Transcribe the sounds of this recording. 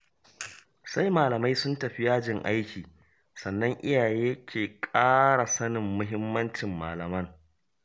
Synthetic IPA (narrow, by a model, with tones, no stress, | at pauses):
sa˦jmaː˨lɐ˨ma˦jsʊ˦ntɐ˨ɸɪ˦jaː˦d͡ʒɪ˦˨ŋʔa̰˦jkʲiː˨ | sɐ˨nːɐ˦ŋʔɪ˦jaː˨jeː˦kʲeː˨kʼaː˦ɽa˨sɐ˦nɪ˨mːʊ˦ɦɪ˦mːɐ˦nt͡ʃɪ˨mːa̰ː˨lɐ˨mɐ˦ŋ